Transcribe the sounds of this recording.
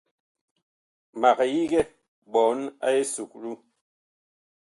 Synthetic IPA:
ma˨kji˦ɡɛ˦ | bɔ˨˦na̰˦e˦su˨k̚ɾu˦

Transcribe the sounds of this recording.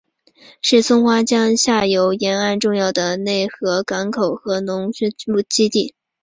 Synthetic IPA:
ʂɻ̩˥˩t͡sʰʊ˥ŋxwa˥t͡ɕjɑ˥ŋɕja˥˩jo˧˥ʊjɛ˧˥na˥˧nʈ͡ʂʊ˥˧ŋjɑ˥˩ʊd̪ə˩ne˥˩ɪxɤ˧˥ka˧˥nkʰo˨˩ʊxɤ˧˥nʊ˧˥ŋ˥mu˥˩t͡ɕi˥t̪i˥˩

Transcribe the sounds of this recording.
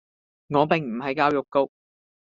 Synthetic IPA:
ŋɔː˨˧pɪ˨ŋm̩˨˩ɦɐ˨˥jkaː˥wjʊ˨kkːo˧k̚

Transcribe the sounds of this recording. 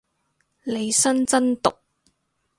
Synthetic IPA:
le˨˧jsɐ˥nt͡sɐ˥nt̪ʊ̰˨k̚

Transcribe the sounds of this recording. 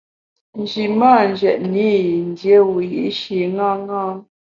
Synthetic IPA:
n˨d͡ʒi˨maː˦˨n˨d͡ʒɛ˨ʔni˦˨n˦dje˦wu˨jḭ˨˦ʔʃi˨ŋa˦ŋa˦

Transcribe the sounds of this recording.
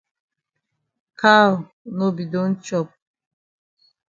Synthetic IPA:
kʰa˦w | nɔ˦bi˨d̪ɔ˦nt͡ʃʰɔ˦˨p̚

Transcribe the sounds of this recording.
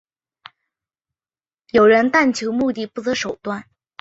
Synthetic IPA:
jo˨˩ʊɻə˧˥nt̪a˥˩nt͡ɕʰjo˧˥ʊmu˥˧t̪i˥˩pu˥˩t̪ɤ˧˥ʂo˨˩ʊt̪wa˥˩n

